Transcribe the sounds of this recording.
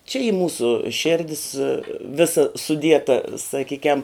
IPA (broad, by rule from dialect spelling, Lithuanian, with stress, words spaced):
t͡ʃʲɛ iː ˈmuːsʊ ˈʃʲeːrʲdʲɪs ˈʋʲɪsɐ sʊˈdʲiɛtɐ sɐˈkʲiːkʲɛm